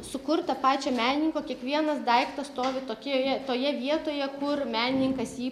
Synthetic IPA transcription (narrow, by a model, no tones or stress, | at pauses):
sʊkʊɾt̪ɐpɑːt͡ʃʲomʲæːnʲɪnʲɪŋkoːkʲiɛkʋʲiɛnɐsd̪ɐɪkt̪ɐst̪oːʋʲɪt̪oːkʲːojɛt̪oːjɛʋʲiɛt̪oːjɛkʊrmʲæːnʲɪnʲɪŋkɐsjiː